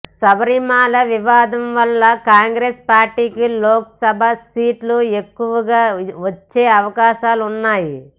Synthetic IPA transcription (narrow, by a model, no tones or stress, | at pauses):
sɐbɐɾimaːlɐʋiʋaːd̪ɐmʋɐlːɐkaːŋɡɾespaːɾʈiːkiloːkɐsɐbʱɐsiːʈlue̞kːuʋɐɡaːʋɐt͡ʃːe̞ːɐʋɐkaːʃaːlunːaːji